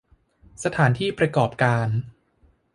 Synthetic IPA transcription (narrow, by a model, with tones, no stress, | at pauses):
sa˧t̪ʰaː˩˦nt̪ʰiː˥˩pɾa˧kɔː˨˩p̚kaː˧n